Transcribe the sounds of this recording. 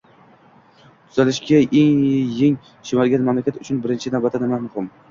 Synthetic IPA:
t̪ʰʊz̥alɪʃɡʲaʔeŋjeŋ | ʃɪmalɡʲanmamlakʲat̪ʊt͡ʃʰʊnbɪɾɪnt͡ʃʰɪnavbat̪ʰːanɪmamʊhɪm

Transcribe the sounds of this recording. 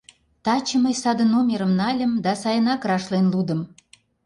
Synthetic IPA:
t̪ɑt͡ɕəməjsɑd̪ə̆numʲeɾə̆mnɑlʲəmd̪ɑsɑjənɑkrɑʃlenlud̪ə̆m

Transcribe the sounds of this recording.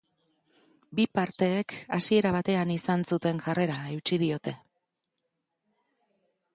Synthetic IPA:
bipaɾt̪e̞ːkasie̞ɾaβ̞at̪e̞anisansut̪e̞ŋʝare̞ɾaewt͡ʃið̞io̞t̪e̞

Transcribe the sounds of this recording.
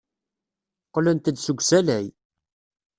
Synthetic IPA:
qlənt̪əd̪səɡʷsælæj

